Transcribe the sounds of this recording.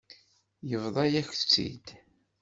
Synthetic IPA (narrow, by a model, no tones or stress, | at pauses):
jəvðˤɑjæçθt͡sːḭd̪